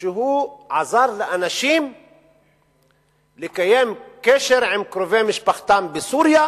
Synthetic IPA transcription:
ɦuːʕɑzˤɑːɾˤlɪʔænaʃiːm | lɪkæjeːmkeʃɪɾʕɪmkɾʊveːmɪʃbaxt̪aːmbɪsuːɾja

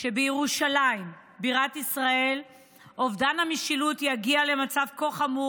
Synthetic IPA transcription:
ʃebejeʁuʃalaim | biʁatisʁae̞l | o̞vdanhamiʃilutjaɡiale̞mat͡savkoχamu

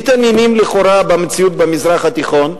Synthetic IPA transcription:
t̪anjinimliχoɾabemt͡siut̪bemizʁaχat̪iχo̞n

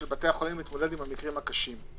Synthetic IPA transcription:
elbate̞aχo̞limit̪mo̞de̞dimamikʁimhakaʃim

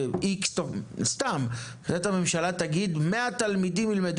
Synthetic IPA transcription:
ikst̪ost̪amkat̪amemʃalat̪aɡid̪meat̪almid̪imilmed̪

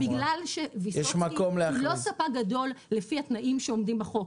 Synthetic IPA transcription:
biɡlalʃevisjɛʃmakomlealosapaɡado̞lːefihat̪naʔimʃeomdimbaχo

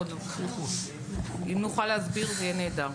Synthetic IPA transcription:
d̪ | imnuχalazbiʁzjened̪a

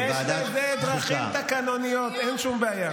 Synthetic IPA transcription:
elezed̪ʁaχimt̪akanonijot̪enʃumbeaja

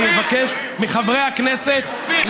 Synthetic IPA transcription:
mivakeʃ | miχavʁejhakneset̪ | l

